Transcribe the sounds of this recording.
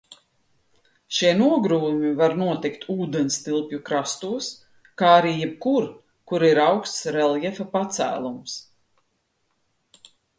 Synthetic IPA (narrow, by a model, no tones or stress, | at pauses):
ʃiɛnuɔɡɾuːmʲivaɾnuɔt̪ikt̪ʰuːd̪ɛnst̪ilˠpʲjukɾast̪uɔs | kaːaɾiːjɛb̚kuɾ | kuɾiɾawkst̪sɾɛlˠjɛfapat̪sæ̰ːlˠums